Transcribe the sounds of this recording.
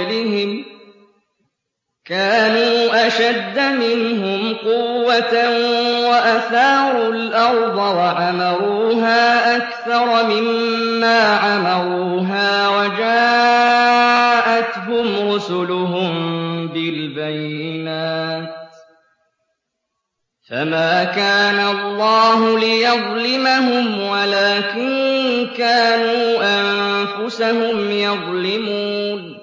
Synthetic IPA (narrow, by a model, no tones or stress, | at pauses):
lɪhɪm | kaːnuːʔaʃad̪ːamɪnɦʊmqʊwwːat̪awaʔaθɑːɾˤʊlʔɑɾˤd̪ˤɑwaʕamɑɾˤuːɦaːʔakθɑɾˤmɪmːaːʕamɑɾˤuːɦaːwad͡ʒaː | ʔat̪ɦʊmɾʊsʊlʊɦʊmbɪlbajɪnaːt̪ | famaːkaːnalˤːɑːɦʊlɪjɑðˤlɪmaɦʊmwalaːkɪnkaːnuːʔamfʊsahʊmjɑðˤlɪmuːn